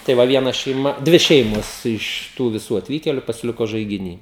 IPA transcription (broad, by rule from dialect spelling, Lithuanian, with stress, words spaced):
tɐɪ ˈʋɐ ʋʲiɛˈnɐ ʃʲɛɪˈmɐ ˈdʲʋʲɪ ˈʃʲɛɪmoːs ɪʃ ˈtuː ʋʲɪˈsuː ɐtʲˈʋʲiːkʲeːlʲʊ pɐsʲɪˈlʲɪkoː ʒɐɪɡʲɪˈnʲiː